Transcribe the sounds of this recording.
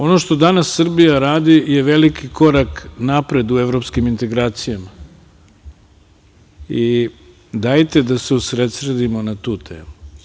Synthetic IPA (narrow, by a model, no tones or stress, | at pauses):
o̞no̞ʃt̪o̞d̪anasːr̩bijaɾaːd̪ije̞ʋe̞likikʰo̞ɾaknapɾe̞d̪ueʋɾo̞pskimint̪e̞ɡɾaːt̪sijama | i | d̪ajt̪ed̪aseusɾet̪sɾed̪imo̞nat̪uːt̪ʰḛːmu